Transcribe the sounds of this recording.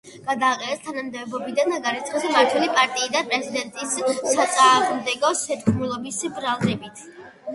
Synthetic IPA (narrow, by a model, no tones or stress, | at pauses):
ɡ̥ad̪aːqʼɛnɛst̪ʰanamd̪ɛvɛbɔbid̪anaɡaɾit̪sʰχɛsmaɾt̪ʰwɛlipʼaɾt̪ʼiːd̪anpʼɾɛzid̪ɛnt̪ʼisːat̪sʼaːʁmd̪ɛɡɔsɛt̪kʰʼmulˠɔbisbɾalˠd̪ɛbit̪ʰ